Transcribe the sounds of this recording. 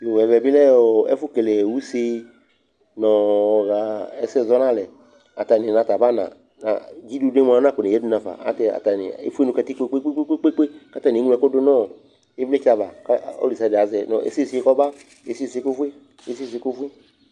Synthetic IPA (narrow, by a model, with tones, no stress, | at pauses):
jo˨wɛ˨vɛ˨bi˦lɛ˦o˨ɛ̰˦fu˦ke˨le˨wu˦se˦ | nɔ̃˨ɣa˨ɛ˦sɛ˦˨zɔ˦nã˦lɛ˨ | a˨t̪a˨nĩ˨nã˨t̪a˨ba˦nã̰˨ | nã̰˨d͡ʒi˦du˧de˦mũ˦a˨˦nã˦˨ko˨nẽ˨jɛ˦du˦nã˨va̰˨a̰˦tɛ˨a̰˨t̪a˨nḭ̃˨ḛ˦fu˦e˦nu˨kɛ˧t̪i˦k͡pe˦k͡pe˦k͡pe˦k͡pe˦k͡pe˦k͡pe˦k͡pe˦ka˦t̪a˦˨ni˨˦ŋũ˦ɛ˨ko˦do˦nɔ̃˦˨ | e˦vle˦t͡ʃa˨va˨ka˦o̰˦li˨sa˧˨de˨a˨zɛ˨nɔ̰˨ʔḛ˨se˦˨se˦kɔ˦ba˦ | e˨se˦˨se˧˦ko˦vu˦e˦ | e˦se˦˨s̬e˨˧˦ko˦fu˦e˦